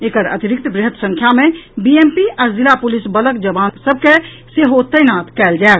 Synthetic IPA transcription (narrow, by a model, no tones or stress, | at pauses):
eːkəɾɐ̰t̪ɪɾɪk̚t̪bɾɪɦət̪sə̃ŋkʰjamẽbieːmpiʔɐɾzɪlapʊlɪsbələkd͡ʒəbaːnsəbʱke | seɦoːt̪ːəjnaːt̪kɛːld͡ʒaːɡ